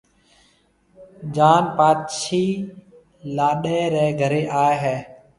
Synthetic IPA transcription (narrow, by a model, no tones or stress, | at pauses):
d͡ʒaːnpaːt̪ʃiː | laːɗeːɾɛːɡʱəɾeːʔaːeɦɛː